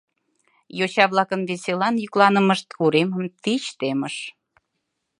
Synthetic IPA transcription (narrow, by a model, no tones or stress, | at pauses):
jot͡ɕɑβlɑkənβeselɑnjyklˠɑnəməʃt̪kuɾeməmt̪it͡ɕt̪eməʃ